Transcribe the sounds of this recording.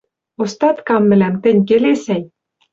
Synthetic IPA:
ost̪ɑt̪kɑmːɘ̆læmt̪ɘ̆nʲk̬elesæj

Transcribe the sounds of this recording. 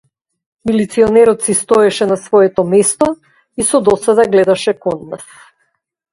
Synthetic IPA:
milit̪siɔnɛɾɔt̪sist̪ɔɛʃɛnasvɔjɛt̪ɔmɛst̪ɔ | isɔd̪ɔsad̪aɡlɛd̪aʃɛkɔnːa̰s

